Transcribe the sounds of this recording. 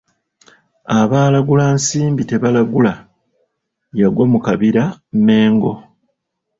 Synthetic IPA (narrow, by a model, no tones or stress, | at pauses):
aβaːlaɡulansiːmbite̞βalaɡula | jaɡwo̞mukaβiɾame̞ːŋɡo̞